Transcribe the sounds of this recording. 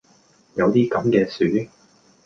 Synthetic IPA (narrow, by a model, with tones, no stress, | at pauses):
jɐ˨˧wt̪iː˥kɐ˨˧˥mkɛː˧syː˨˥